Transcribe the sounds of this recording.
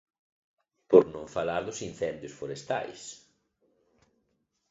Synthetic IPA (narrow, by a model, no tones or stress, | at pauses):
poɾnõŋfalaɾðʊsin̟θɛnd̪jʊsfoɾest̪a̰js